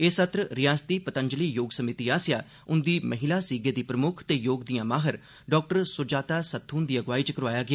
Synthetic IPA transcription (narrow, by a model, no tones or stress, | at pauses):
eːsət̪ɾəɾɪjaːst̪iːpət̪əɲd͡ʒəliːjoːɡsəmɪt̪iːaːsɪjaː | ʊnd̪iːmʔəɦɪlaːsiːɡeːd̪iːpɾəmʊkʰt̪eːjoːɡd̪ijãːmaːɦəɾ | ɖɔːk̚ʈəɾsʊd͡ʒaːt̪aːsət̪ʰːuːnd̪iːəɡʋaːiːt͡ʃəkəɾʋaːjaːɡɪaː